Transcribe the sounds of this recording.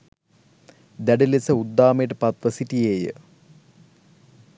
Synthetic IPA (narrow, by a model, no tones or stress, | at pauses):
d̪ɐɖilisɐud̪ːaːmeːʈɨpɐt̪ʋɐsiʈːijeːjɨ̰